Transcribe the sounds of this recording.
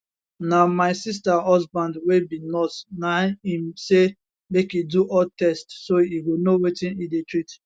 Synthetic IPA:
namaɪsis̬tahɔzbãndwebinɔtnaĩmse | mekiduʔɔtɛstsoiwinowetĩnidetɹit

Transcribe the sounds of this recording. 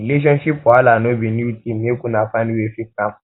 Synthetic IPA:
ileʃ̬ɔ̃nʃipalanõbĩniutimĩekũnafanĩwefikã

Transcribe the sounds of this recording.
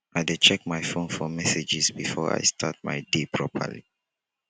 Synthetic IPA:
ʔajdet͡ʃɛk̚majfõnfɔmɛsed͡ʒizbifɔɹa̰jstʰa̰t̚ma̰ɪdepʰɹɔpʰə̰lḭ

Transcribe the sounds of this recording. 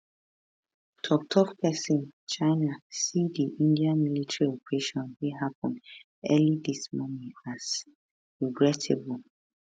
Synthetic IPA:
tʰɔk̚tʰɔkpʰɛsĩnt͡ʃaɪnasidiʔĩndiamilitʰəɹiɔpəɹeʃɔ̃nweɦapɔ̃nd | ɛlidismɔnĩŋaz | ɹiɡɹɛtʰɪbul

